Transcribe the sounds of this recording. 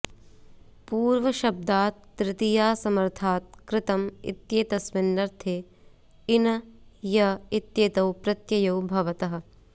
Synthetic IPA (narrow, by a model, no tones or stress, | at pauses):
puːɾʋɐʃɐb̚d̪aːt̪̚ːɾɪt̪ijaːsɐmɐɾt̪ʰaːt̪̚kɾɪt̪ɐmḭt̪jeːt̪ɐsʋɪnːɐɾt̪ʰeː | inɐjɐit̪jeːt̪ɐwpɾɐt̪jɐjɐwbʱɐʋɐt̪ɐɦɐ̆